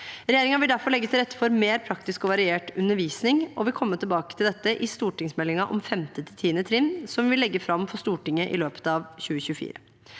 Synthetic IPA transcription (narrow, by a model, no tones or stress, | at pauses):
ɾɛjeːɾɪŋɑʋɪld̪æɾfɔɾɭɛɡːət̪ʰɪlɾɛt̪ːə̥fɔɾmeːɾpʰɾɑkt̪ɪskɔʋɑɾɪeːʈʉnːəɾʋiːsnɪŋɔʋɪlkʰɔmːət̪ʰɪlbɑːkət̪ʰɪld̪ɛt̪ːəʔɪst̪uːʈɪŋsmɛlːɪŋɑʔɔ̰mfɛmt̪ət̪ʰɪlt̪ʰiːnət̪ʰɾɪnsɔmʋɪlːɛɡːəfɾɑmfɔst̪uːʈɪŋːəʔɪ̰løːpə̥t̪ɑʋçʉːəçʉːəfḭːɾə